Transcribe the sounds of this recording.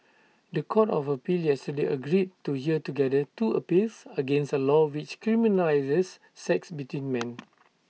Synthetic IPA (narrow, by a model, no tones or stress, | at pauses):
dəkʰɔtɔ̰fəpiljɛstədeʔəɡɹid̚tuhiətuɡɛdətuəpilsəɡẽnsəlɔwit͡ʃkɹiminəlajzəsː | ɛksbitwĩnmɛ̃n